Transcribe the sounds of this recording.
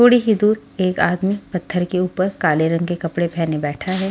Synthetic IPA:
oːɽiɦid̪uːɾ | eːkaːd̪mipɐt̪ʰːəɾkeuːpəɾkaːleɾɐ̃ŋɡkekɐpɽepʰɛːnebɛːʈʰaɦɛː

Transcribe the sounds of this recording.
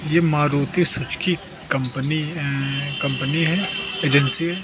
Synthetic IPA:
jemaːɾuːt̪isʊt͡ʃki | kɐ̃mpni | kɐ̃mpəniɦɛeːd͡ʒənsi

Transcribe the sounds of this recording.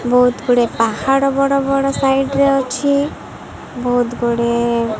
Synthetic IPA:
bɔɦut̪ɡuɽepahaɽɔbɔɽɔbɔɽɔsajɖɾɛɔt͡ʃʰi | bɔɦut̪ɡuɽe

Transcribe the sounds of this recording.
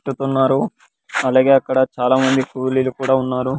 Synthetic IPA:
ʈːut̪unːaːɾu | ɐlaːɡe̞ːɐkːɐɽɐt͡ʃaːlaːmɐnd̪ikuːliːlukuːɽaːunːaːɾu

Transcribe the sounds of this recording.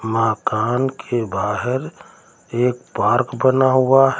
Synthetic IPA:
maːkaːnkʰebaːɦɪɾ | eːkpaːɾkbənaɦuaɦ

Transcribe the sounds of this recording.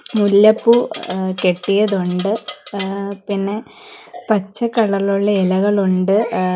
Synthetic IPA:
mulːɐpːukeʈːijɐðuɳɖɨ | pinːe̞ | pɐt͡ɕːɐkːɐɭɐɭuɭːɐelɐɣɐɭuɳɖɨ

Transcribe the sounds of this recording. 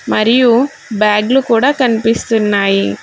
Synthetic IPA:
mɐɾɪju | baːɡlukuːɽɐkɐnpɪst̪ɯnːaːji

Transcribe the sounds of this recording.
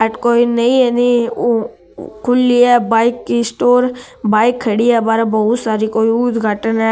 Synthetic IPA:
ɛʈkoːinəĩeni | kʰʊliːɛːbaːɪkːisʈoːɾ | baːɪkʰːəɽiːɛːbaːɾabəʊt̪saːɾiːkoːiuːd̪ɡʱaːʈənɛː

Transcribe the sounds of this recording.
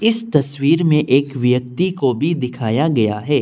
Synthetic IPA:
ɪst̪ɐswiːɾmẽʔeːkʋjək̚t̪ikobʱid̪ɪkʰaːjaɡɐja̰ɦɛː

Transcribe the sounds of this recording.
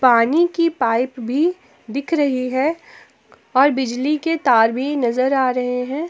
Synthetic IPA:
paːnikipaːɪpbʱi | d̪ɪkʰɾɐɦiɦɛ | ɔːɾbɪd͡ʒliket̪aːɾbʱinɐzəɾaːɾɐɦeɦɛ̃ː

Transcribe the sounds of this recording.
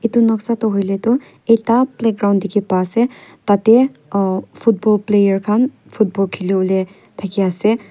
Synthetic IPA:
itunɔksatɔɦojletɔ | etaplek̚ɡɾaw̃ndikepasɛtat̪e | pʰut̚bɔlplejəɹkʰan | pʰut̚bɔlkʰilole | tʰakiasɛ

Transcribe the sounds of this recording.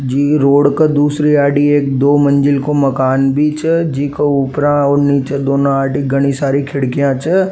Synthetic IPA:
d͡ʒiːɾoːɽkəd̪uːsɾiaːɖieːk̚d̪oːmɐ̃nd͡ʒɪlkomɐkaːnbʱit͡ʃəd͡ʒiːkouːpɾãɔːɾniːt͡ʃed̪oːnõaːɖiɡɐɽ̃isaːɾikʰɪɽkijãt͡ʃə

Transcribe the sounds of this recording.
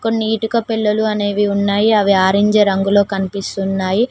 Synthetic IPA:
ko̞nːiiːʈikɐpɛlːɐluɐne̞ːʋiunːaːjiɐʋiaːɾiɲd͡ʒeːɾɐŋɡulo̞ːkɐnipist̪unːaːji

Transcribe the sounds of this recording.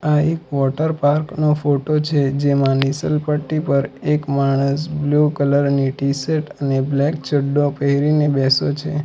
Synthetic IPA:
aekʋɔʈəɾpaɾknofoʈot͡ʃʰed͡ʒemãnisəlpəʈːipəɾekmaɳ̃əsblukələɾniʈiseʈəneblɛkt͡ʃʰəɖːopəɦɾinebɛsot͡ʃʰe

